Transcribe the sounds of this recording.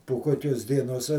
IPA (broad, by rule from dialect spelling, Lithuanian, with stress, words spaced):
poː ˈkoːkʲoːs dʲiɛˈnoːs